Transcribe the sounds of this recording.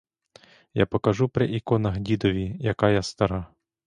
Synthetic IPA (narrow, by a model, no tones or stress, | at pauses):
ja̰pɔkɐʒupɾɪ̰ʔikɔnɐɦdʲid̪ɔʋʲijɐkɑjast̪ɐɾɑ